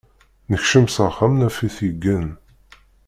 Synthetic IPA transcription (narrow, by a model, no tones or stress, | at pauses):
nəçʃəmsəχamnæfiθiɡːən